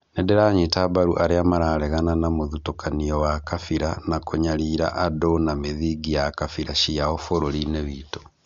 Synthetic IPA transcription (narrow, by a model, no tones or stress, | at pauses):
nedeɾaɲetabaɾuʔaɾeamaɾaɾɛɣananamoðutokʰaniɔwakafiɾanakʰoɲaɾiːɾa̰ʔadonameðiɡijakafiɾaʃiaofoɾoɾineβiːto̥